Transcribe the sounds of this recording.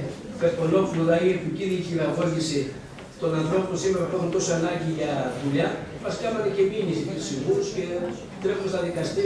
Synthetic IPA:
pet̪onofloðɐiepuciðiçiɾɐvoʝisi | t̪o̞nɐnθɾo̞ponsimeɾɐpexunt̪o̞siɐnɐɲɟiʝɐðulɐmɐskɐmɐt̪eceminisitisiɣuusce | t̪ɾexuznɐðikɐst̪i

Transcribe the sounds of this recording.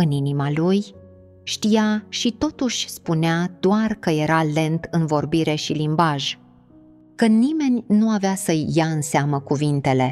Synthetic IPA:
ɨninimaluj | ʃt̪ijaʃit̪o̞t̪uʃʲspunead̪̥oarkəje̞ɾale̞nt̪ɨnvo̞rbiɾe̞ʃilimbaʒ | kənime̞nʲnuaveasəjːaɨnseaməkuvint̪e̞le̞

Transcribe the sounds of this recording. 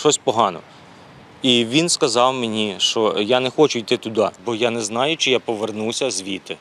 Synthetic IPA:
ʃɔsʲpɔɦɑnɔ̰ | iʋʲinskɐzɑwmenʲiʃt͡ʃɔjanɛxɔt͡ʃʊijt̪ɪt̪ʊd̪ɑbɔjanɛznɑjʊt͡ʃɪjapɔʋernuwsʲɐzʋʲit̪ɪ

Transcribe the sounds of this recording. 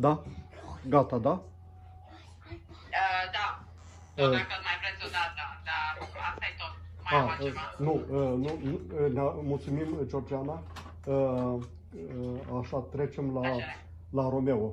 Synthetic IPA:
d̪a | ɡat̪ad̪a | əd̪a | t̪ot̪majpɾesid̪aad̪aasajt̪ot̪maanuənunamult̪sumimət͡ʃord͡ʒiana | ə | aʃat̪ɾet͡ʃemla | laɾomewo

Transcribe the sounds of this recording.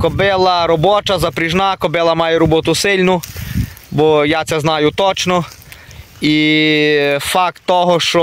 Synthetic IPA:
kɔbɪlˠɐɾɔbɔt͡ʃɐzɐpɾɪʒnakɔbɪlˠɐmɑjɛɾɔbɔt̪ʊsɪlʲnʊ | bɔjat̪sɛznɑjʊt̪ɔt͡ʃnɔ | i | fɑk̚t̪ːɔɦɔʃt͡ʃɔ

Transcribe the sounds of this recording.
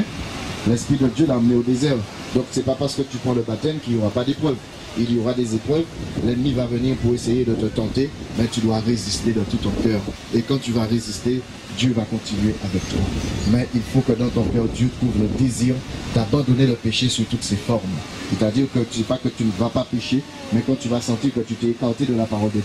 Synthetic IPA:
lɛ̃spχid̪əd̪jølaãməneod̪ezɛʁ | d̪ɔ̃ksɛpapaʁsə̥kət̪ypχɑ̃ləbat̪ɛmkiljoʁapad̪epχœv | ilijoʁad̪ezepχœvlɛnmivavəniʁpuʁesejed̪ət̪ət̪ɑ̃t̪emɛt̪yd̪waʁezist̪ed̪ɑ̃t̪ut̪ɔ̃kœʁ | ekɑ̃t̪yvaʁezist̪e | d̪jøvakɔ̃t̪inɥeʔavɛk̚t̪wamɛʔilfokəd̪ɑ̃t̪ɔ̃kɛʁd̪jøt̪χuvləd̪eziʁd̪abɑ̃d̪oneləpeʃesyʁt̪ut̪sefɔʁm | set̪ad̪iʁkət̪ysɛpakət̪ynəvapapeʃe | mɛkɑ̃t̪yvasɑ̃t̪iʁkət̪yt̪ɛekaʁt̪ed̪əlapaʁɔld̪əd̪j

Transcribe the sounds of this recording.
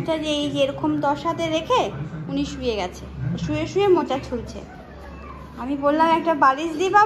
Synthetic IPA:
ʈad͡ʑejd͡ʑeɾɔkomd̪ɔʃɦat̪eɾekʰeuniʃujeɡɛt͡ɕʰeʃujeʃujemot͡ɕat͡ɕʰult͡ɕʰḛ | amibolːamɛk̚ʈabalid͡ʑd̪ipa

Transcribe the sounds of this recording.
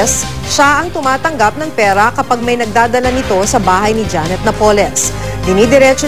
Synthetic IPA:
s | ʃaʔɐŋt̪ʊmaːt̪ɐŋɡap̚nɐŋpɛːɾɐkɐpaɡ̚mɐjnɐɡ̚d̪aːd̪ɐlanɪt̪o̞sɐbaːɦɐjnɪd͡ʒanɛt̪̚nɐpoːlɛsd̪ɪnid̪ɛɾɛt͡ʃo

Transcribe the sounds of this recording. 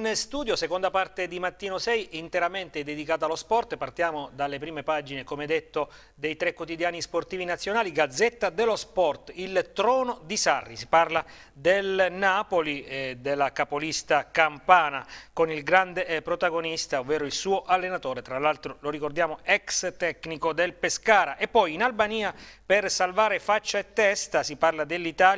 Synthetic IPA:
inst̪uːd̪josekond̪apart̪ed̪imat̪ːiːnosɛjint̪eɾament̪eɛd̪ed̪ikaːt̪alospɔrt̪part̪jaːmod̪alːepɾiːmepad͡ʒinekomeɛd̪ːet̪ːo | d̪ejt̪ɾekːwot̪id̪jaːnisport̪iːvinat̪sːjonaːliɡad̪zːet̪ːad̪elospɔrt̪ilt̪ɾɔːnod̪isarːisi̥parla | d̪elnapolid̪elːakapolist̪akampaːnakonilɡɾand̪epɾot̪aɡonist̪aovːeːɾoilsuːoʔalːenat̪oːɾet̪ɾalalt̪ɾoloɾikord̪jaːmoɛkst̪ɛknikod̪elpeskaːɾaʔepːɔjinalbaniːapersalvaːɾefat͡ʃːaet̪ːɛst̪asiparlad̪elːit̪aːl

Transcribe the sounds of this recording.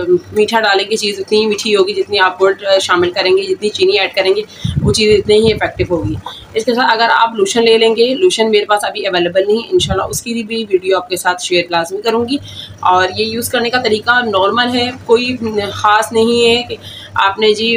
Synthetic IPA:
miːʈʰaɖaːlẽːɡit͡ʃiːzɪt̪niɦimiːʈʰiɦoːɡid͡ʒɪt̪niaːp̚boːlɖʃaːmɪlkɐɾẽːŋɡed͡ʒɪt̪nit͡ʃiːniɛːɖkɐɾẽːŋɡe | ʋoːt͡ʃiːzẽɪt̪neɦiɪfɛːk̚ʈɪbɦoːɡi | ɪskesaːt̪ʰɐɡəɾa̰ːpluːʃənleːlẽːŋɡeluːʃənmeːɾepaːsɐbʱiɐʋeːlebəlnɐɦĩʔɪ̰̃nʃaːlːa̰ʊskibibʱiʋiːɖijoaːp̚kesaːt̪ʰʃeːəɾlaːzmĩkɐɾũːŋɡiː | ɔːɾjejuːzkɐɾnekat̪ɐɾiːkanɔːɾməlɦɛkoːixaːsnɐɦĩɦɛke | a̰ːpned͡ʒiː

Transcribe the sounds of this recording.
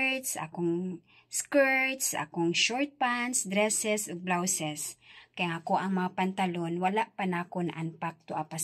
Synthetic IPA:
t̪sa̰koŋ | skɛɹt̪sa̰koŋʃoɹt̪̚pansd̪ɾɛsɛsoɡ̚blawsɛskɐjaŋɐkoʔɐŋmɐŋapant̪alonwalaʔpanaːkonaʔanpak̚t̪oʔapas

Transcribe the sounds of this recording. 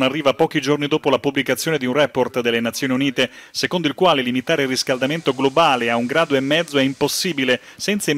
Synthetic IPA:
narːiːvapɔːk̟id͡ʒornid̪oːpolapubːlikat̪sːjoːned̪iunrɛport̪d̪elːenat̪sːjoːniuniːt̪esekond̪oilkwaːlelimit̪aːɾeilriskald̪ament̪oɡlobaːleauŋɡɾaːd̪oemːɛd̪zːoɛimposːiːbile | sɛnt̪sai

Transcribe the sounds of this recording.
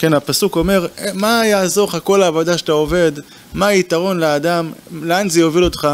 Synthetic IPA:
kenapasuko̞me̞ʁmajaːzo̞ʁχako̞laːvodaʃe̥t̪aove̞d̪ | maːit̪aʁo̞nleaːdamleanzejovilo̞t̪χa

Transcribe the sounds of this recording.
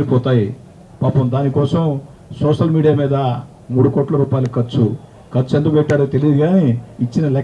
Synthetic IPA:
ɾipɔːt̪aːji | paːpɐmd̪aːnikɔːsɐm | sɔːʂɐlmiːɽijaːmiːd̪ɐ | muːɽukɔːʈlɐɾuːpaːjlukɐt͡ʃːu | kɐt͡ʃued̪ukbeʈːaːɾot̪e̞lijid̪iɡaːniit͡ʃːinɐlɛ

